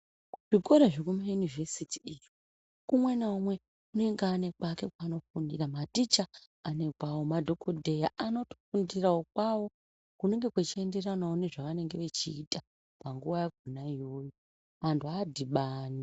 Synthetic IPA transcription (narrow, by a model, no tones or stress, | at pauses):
ʐ̥iko̞ɾaʐekumajunivesitʰi̥iji | kumwenaumwe̞ | une̞ŋɡane̞kwake̞kwano̞fundiramatit͡ʃaː | ne̞kwawo̞madʱo̞kʰodʱe̞jaano̞to̥fundiraok̚wawo̞ | kune̞ŋɡe̞kwet͡ʃie̞nde̞ranaoune̞ʐaʋane̞ŋɡe̞ʋe̞t͡ʃiːta | paŋɡuʋajaɡʱunajo̞ːjo | antʰuaːdʱiɓaːni